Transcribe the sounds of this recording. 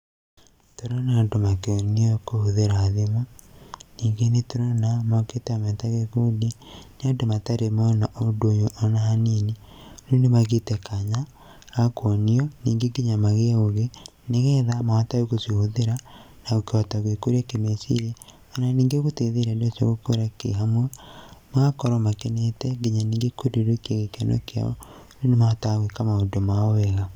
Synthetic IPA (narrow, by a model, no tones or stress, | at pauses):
toɾonandomakeoniokohuðeɾaːðemaniːŋɡenetoɾonamoketeamɛtaɣekudenandomataɾemonaʔodoɲoʔːnaɦanini | nondemaɣetekʰaɲaː | kwoniɔniːŋɡeɡiɲamaɣeoɣe | neɣeðamawatajoɣosihoðeɾa | naɣokeɔtaɣwekoɾiakemesḭɾe | ananiːŋɡeɣuteðeɾadoso̰ɣokoɾakḛɦamwemakɔɾɔmakenetɛɡeɲaniːŋɡekodeɾokiaɣekeno̰kea̰ɔ̰nonemataɣwekamaodomaoeɣa